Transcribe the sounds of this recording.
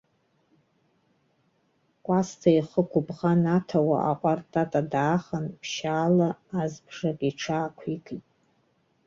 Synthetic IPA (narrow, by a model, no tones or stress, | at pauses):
kʷʼastʰaiχəkʷʰʊbʁanatʰawa̰ʔaqʷʼartʼatʼadaːχanpʰʃaːlaazbʐakʲʼiʈ͡ʂʰaːkʷʰikʼitʼ